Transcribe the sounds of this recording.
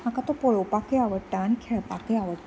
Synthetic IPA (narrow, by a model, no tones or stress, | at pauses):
akat̪opoɭowpakeaʋəɽt̪aːñikʰɛɭpakeaʋəɽ